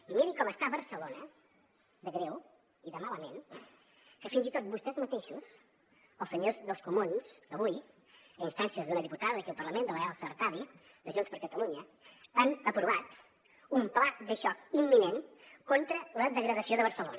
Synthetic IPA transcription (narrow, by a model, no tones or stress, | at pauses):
imiɾikɔməst̪aβəɾsəlonə | d̪əɣɾɛw | iðəmaləmen | kəfinzit̪ot̪̚bust̪ɛzmət̪eʃus | əlˠsəɲozðəlˠskumunsdəβuj | əinst̪ansiəzðunəðiput̪aðəəkiəlˠpərləmend̪ələɛlˠsəɾt̪aβi | d̪əʒunspəɾkət̪əluɲə | anəpɾuβat̪ | umplak̚d̪əʃɔkimːinenkont̪ɾələðəɣɾəðəsioðəβəɾsəlo̰nə